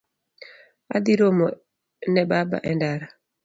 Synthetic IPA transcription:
a̰d̪iɾomɔ | nɛbaba̰ʔɛndaɾa

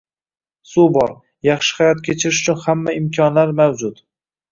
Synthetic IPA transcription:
subɒɾ | jɑχʃɪ̥hajɒt̪̚kʲʰet͡ʃʰɪɾɪʃʊ̥t͡ʃʰʊnhamːaɪmkʲʰɒnlaɾmawd͡ʒʊt̪

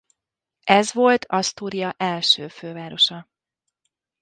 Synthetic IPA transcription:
ʔɛzʋo̞lt̪ʰɒst̪uːɾijɒʔɛlʃøːføːvaːɾo̞ʃɒ

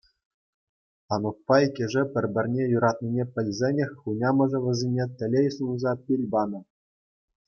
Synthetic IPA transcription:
ɑnuk̚pɑikʲĕʐɘ̆pʲɘ̆rʲbʲɘ̆rʲnʲejuɾɑt̪̚nʲinʲepʲɘ̆lʲzʲenʲĕxʲχunʲɑmɤ̆ʐɤ̆ʋʲɤ̆zʲinʲet̪ʲɘ̆lʲejsunzɑpʲilʲbɑnɤ̆

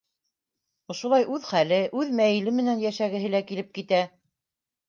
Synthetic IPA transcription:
ŏʃŏlˠɑjʔʉðχælɘʔʉðmæjɘ̆lɘmɘ̆nænjæʃæɡɘ̆ɦɘlækilɘp̚kit̪æ

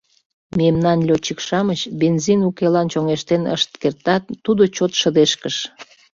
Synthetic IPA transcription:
memnɑnlʲot͡ɕikʃɑmət͡ɕbenzinukelɑnt͡ɕoŋeʃt̪enə̰ʃt̪kert̪ɑt̪ːud̪ot͡ɕot̪ʃəd̪eʃkəʃ

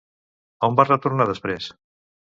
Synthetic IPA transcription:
aumbarət̪uɾnaðəspɾes

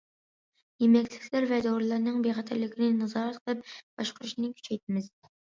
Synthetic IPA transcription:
jemɛkʲt͡ʃlɪkʲlæɾvɛd̪oɾlˠɑɾnɨŋbeχɛt̪ʰæɾlɪkʲʰinɪnɑzɑːɾɛt̪qʰəlˠɨp̚b̥ɑʃqʊɾuʃnɨkʲʰy̥t͡ʃʰɛjt̪ʰɪmɪz

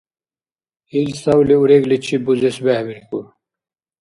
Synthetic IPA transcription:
ilsɐwliuɾeɡlit͡ɕʰibuzesbæhbiɾku

